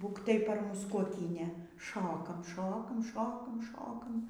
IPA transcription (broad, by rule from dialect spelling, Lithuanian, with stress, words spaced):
ˈbuːk tɐɪ pɐr ˈmʊs kuɔˈkʲiːnʲeː ˈʃoːkɐm ˈʃoːkɐm ˈʃoːkɐm ˈʃoːkɐm